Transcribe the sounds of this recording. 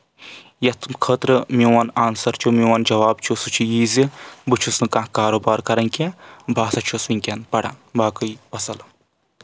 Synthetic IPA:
jɐt̪ʰkʰəːt̪ɾɨmiʋɐnaːnsɐɾt͡ʃʰumiwaːnd͡ʒɐʋaːbt͡ʃʰusut͡ʃʰijiːzibɨt͡ʃʰusnɨkãːkaːɾoːbaːɾkɐɾɐnkʲebʱaːsɐt͡ʃʰosiŋʲkʲɐnpɐɽa̰nbaːkɨjpɐsɐl

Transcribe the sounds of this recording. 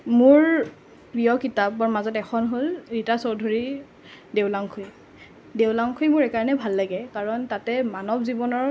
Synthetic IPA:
mʊɹ | pɹijɔkitap̚baɹmazɔtɛxʰɔnɦolɹitasɔwdʱoɹi | dewlaŋkʰuj | dewlaŋkʰujmʊɹekaɹnɛbʱalːaɡɛkaɹɔntatɛmanɔbzibɔnɔɹ

